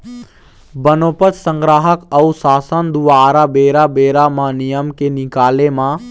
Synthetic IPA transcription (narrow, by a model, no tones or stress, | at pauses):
bənoːpət̪sə̃ŋɡɾaːɦəkɐusaːsənd̪ubaːɾabeːɾabeːɾamãnijəmkenɪkaːlemãː